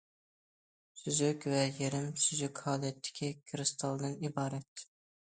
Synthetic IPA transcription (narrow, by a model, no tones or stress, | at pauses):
syzykʲvɛjeɾɪmsyzykʲhɑːdɛt̪ʰːɪ̥kʲʰikʲʰɾɨst̪ʰɑlˠd̪ɨnibɑːɾɛt̪